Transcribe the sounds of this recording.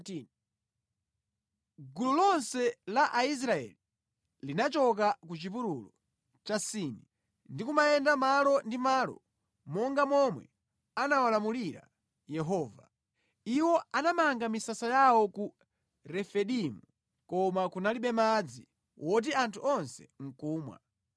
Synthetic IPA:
ɡululɔnsɛlaʔais̬ɾaɛ̰li | linat͡ʃɔk̬akut͡ʃipuɾulɔ | t͡ʃasiːni | ndikumajɛndamalɔndimaːlɔ̰ | mɔŋɡamɔmwɛ̰ | anawalamuliɾa̰ | jɛɦɔːva | iwɔanamaŋɡamisasajawɔku | ɾɛfɛɗimu | kɔmakunaliɓɛmad͡zi | wʔɔt̬iantʰuɔnsɛ̰ŋ̩kuːmwa̰

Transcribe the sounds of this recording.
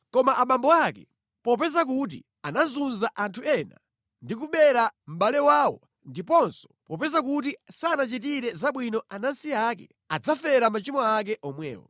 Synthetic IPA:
kɔmaʔamambɔakɛ̰ | pɔpɛzak̬ut̬ḭ | anazunzaʔantʰuɛna̰ | ndik̬uɓɛɾam̩ɓalɛwaːwɔ̰ | ndipɔnsɔ̥pɔpɛzakutisanat͡ʃit̬iɾɛzaɓwinɔanansiakɛ̰ | ad͡zafɛɾamat͡ʃimɔak̬ɛʔɔmwɛ̰ːwɔ̰

